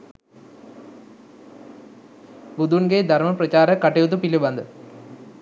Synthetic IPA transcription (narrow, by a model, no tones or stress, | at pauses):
bud̪ʱunɡed̪ʱɐrmɐprɐt͡ɕaːɾɐkːɐʈːejut̪̬ːupilubɐnd̪ɨ